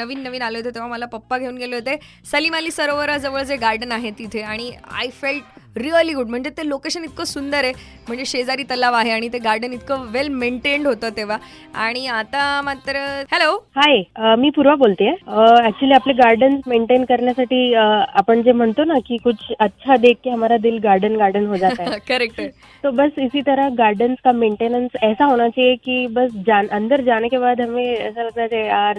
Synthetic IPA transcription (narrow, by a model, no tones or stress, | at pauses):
nəʋiːnːəʋiːnaləɦot̪et̪eʋ̤aməlapəpːaɡʱeuːnɡʱeləɦet̪e | səlimaliːsəɾoʋəɾad͡zəʋəɭd͡zeɡaɾɖənaɦet̪it̪ʰeaɽ̃ia̰jfelʈɾiəliɡuɖ̚m̤əɳd͡zet̪elokeɕənit̪̚kəsund̪əɾe | m̤əɳd͡zeɕed͡zaɾiːt̪əlaʋaɦeaɽ̃it̪eɡaɾɖənit̪kəʋelmeɳʈeɳɖɦot̪ət̪eʋ̤a | aɽ̃iat̪amat̪ɾəhelohajəmiːpuɾʋabolt̪ijeəæk̚t͡ɕuliapleɡaɾɖənsmeɳʈenkəɾɳjasaʈiːəapəɳd͡zem̤əɳt̪onakiːkut͡sʰətːɕʰad̪ek̚ʰːeɦəmaɾad̪iːlɡaɾɖənɡaɾɖənɦod͡zat̪aekəɾek̚ə | t̪obəsisiːt̪əɾaɡaɾɖənskameɳʈenənsɛsaɦoɽ̃at͡ɕijekiːbəsd͡ʑanʔənd̪əɾd͡ʑankebad̪əmiə̰sələɡ̚t̪at͡seeaɾ